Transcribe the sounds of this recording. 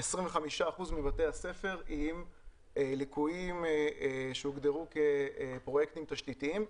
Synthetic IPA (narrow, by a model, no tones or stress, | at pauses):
esʁiɱveχamiʃaːχuzmivatejase̞fe̞ʁim | likuim | ʃeuɡd̪eʁuke̞pʁo̞jekt̪imt̪aʃtitiim